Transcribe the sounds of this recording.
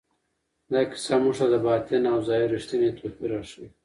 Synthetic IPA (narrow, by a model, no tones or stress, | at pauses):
d̪aki̥samuʂad̪ɐbaːt̪inawzaːjiɾiʂt̪inet̪ʰopiɾaʂi